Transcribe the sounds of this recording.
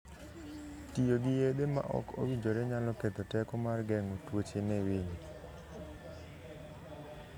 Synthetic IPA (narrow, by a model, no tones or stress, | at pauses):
tijoɡijed̪ema̰ʔɔ̰ko̰wiɲd͡ʒoɾɛɲalɔket̪ɔtɛkɔmarɡɛŋotwot͡ʃenɛweɲi